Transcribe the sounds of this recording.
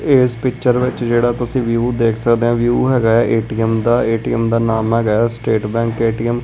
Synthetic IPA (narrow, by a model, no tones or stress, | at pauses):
eːspɪkt͡ʃəɾʋɪt͡ʃd͡ʒeːɽaːt̪ʊsĩːʋjuːd̪eːkʰsəkd̪eːãːʋjuːɦɛːɡaːɛːʔeːʈiːəmd̪aːeːʈiːəmd̪aːnaːmɦɛːɡaːɛːsʈeːʈbɛ̃ːŋkeːʈiːəm